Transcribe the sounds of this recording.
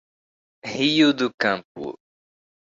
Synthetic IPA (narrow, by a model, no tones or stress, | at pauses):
hiʊd̪ʊkɐ̃mpʊ̰